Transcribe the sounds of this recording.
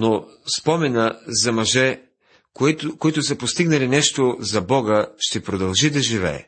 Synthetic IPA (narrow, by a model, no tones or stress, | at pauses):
nospɔmɛnəzɐmɐʒɛ | koit̪ʊsɐpost̪iɡnɐlinɛʃt̪ozɐbɔɡəʃt̪ɛpɾod̪ɐlˠʒid̪ɐʒivɛ̰ɛ̰